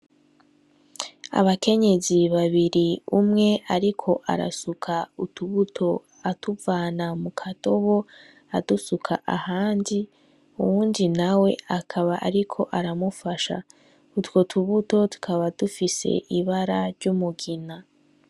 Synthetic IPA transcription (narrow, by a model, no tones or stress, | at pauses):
a̰βake̞ɲe̞ziβaβiɾiumŋe̞ʔaɾikʰo̞ʔa̰ɾa̰sukʰautuβutʰo̞ | atuvaːnamukʰato̞βo̞ | adusukʰaʔahaːndi | uwuːndinawe̞akʰaβaʔaɾikʰo̞ʔaɾamufaʃa̰ | utwotʰuβuto̞tu̥kʰaβadufise̞̰ʔiβaɾaɾɟumuɡina